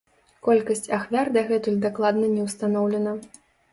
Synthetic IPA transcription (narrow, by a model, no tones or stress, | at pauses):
kɔlʲkɐsʲt͡sʲaxvʲard̪ɐɣɛt̪ulʲd̪aklˠad̪nɐnʲɛwst̪anɔwlʲɛnɐ